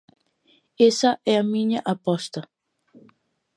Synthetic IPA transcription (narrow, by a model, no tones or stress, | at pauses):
esɐʔɛɐmĩɲɐʔapɔst̪ɐ